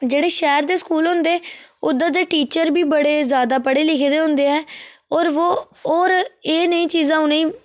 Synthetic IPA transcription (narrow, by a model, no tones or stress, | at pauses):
d͡ʒeːɽeːʃɛːɾd̪eːskuːlɦʊ̃nd̪eːʊd̪ãːd̪eːʈiːt͡ʃəɾbiːbəɽeːzjaːd̪aːpəɽeːlɪkʰd̪eːɦʊ̃nd̪eːɛːɔːɾʋoː | oːɾeːnəĩːt͡ʃiːzãːʊnẽĩː